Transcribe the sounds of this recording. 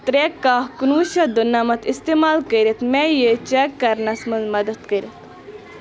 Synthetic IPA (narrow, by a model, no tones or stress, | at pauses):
t̪ɾekːaːhkunuːʃɐd̪unːɐmɐt̪ist̪eːmaːlkəɾʲit̪mɛjet͡ʃɛkːɐɾnɐsmɐnzmɐd̪ɐt̪kɐɾʲit̪